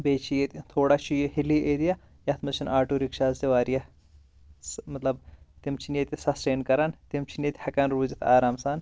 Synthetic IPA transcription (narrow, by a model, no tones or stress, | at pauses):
beːt͡ʃʰijet̪ʲt̪ʰoːɽat͡ʃʰijohiliʔeːd̪ijɐ | jɐt̪mɐt͡ʃʰinʔaːʈuɾikʂaːzt̪iʋaːɾijɐ | smɐt̪lɐbt̪iemt͡ʃʰinjet̪ʲisɐsʈeːnkɐɾaːnt̪imt͡ʃʰinet̪ʲhɐkaːnɾuːzit̪ʰaːɾaːmsaːn